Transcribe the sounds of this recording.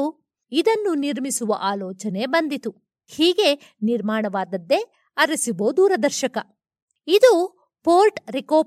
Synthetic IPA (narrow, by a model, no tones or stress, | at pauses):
id̪ɐnːuniɾmisuʋɐ̰ʔaːlɔːt͡ʃɐne̞bɐnd̪it̪u | hiːɡe̞ | niɾmaːɳɐʋaːd̪ɐd̪ːe̞ | ɐɾɐsiboːd̪uːɾɐd̪ɐɾʃɐkɐ | id̪u | poːɾʈɾikoː